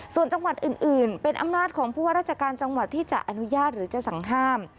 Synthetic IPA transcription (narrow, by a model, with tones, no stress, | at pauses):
su˨˩ənt͡ɕa˧ŋwa˨˩t̪̚ʔɯː˨˩nʔɯː˨˩npe˧nʔa̰˧mnaː˥˩t̪̚kʰɔː˩˦ŋpʰuː˥˩waː˥ɾaː˥t̪̚t͡ɕʰa˧kaː˧n̚t͡ɕa˧ŋwa˨˩t̪ʰːiː˥˩t͡ɕa̰˨˩ʔa˧nu˦˥jaː˥˩t̪̚ɾɯː˩˦t͡ɕa˨˩sa˩˦ŋɦaː˥˩m